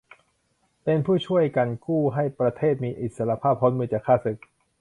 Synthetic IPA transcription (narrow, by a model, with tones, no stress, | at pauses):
pe˧npʰuː˥˩t͡ɕʰu˥˩əjka˧nkuː˥˩ɦa˥˩jpɾa˧t̪ʰeː˥˩t̪̚miː˧ʔi˨˩t̪̚sa˧ɾa˧pʰaː˥˩p̚hɔ˦˥nmɯː˧t͡ɕaː˨˩kʰːaː˥˩sɯ˨˩k̚